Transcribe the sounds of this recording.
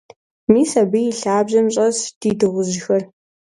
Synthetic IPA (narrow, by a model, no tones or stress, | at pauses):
miːsɐbɨjɪɬaːbʑɐmɕʼɐsd̥iːdɨʁʷʊʑɪxɐr